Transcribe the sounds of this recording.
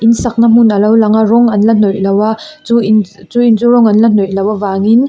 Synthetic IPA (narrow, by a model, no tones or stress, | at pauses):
ʔinsɐk̚nɐm̥unɐlɐwlɐŋɐɾɔŋɐnlɐnɔjlɐwɐt͡suint͡suint͡suɾɔŋɐnlɐnɔjlɐwɐvaŋin